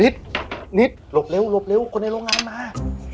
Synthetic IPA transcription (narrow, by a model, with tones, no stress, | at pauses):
ni˦t̪̚ni˦˥t̪̚lo˧˥p̚le˧˥˨wlo˧˥p̚le˧˥˨wkʰo˧nːa˧jɾoː˧ŋaː˧˥nmaː˧˥